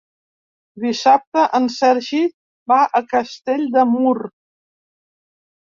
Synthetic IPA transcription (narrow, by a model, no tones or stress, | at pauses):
d̪isap̚t̪əʔənsɛɾʒi | baʔəkəst̪eʎʲd̪əmuɾ